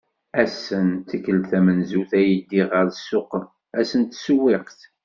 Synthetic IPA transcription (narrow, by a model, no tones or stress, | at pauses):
æsːənt̪əkːəlθæmənzuθæjəd̪iʁəɾsːʊqː | æsənt̪suwːɪqθ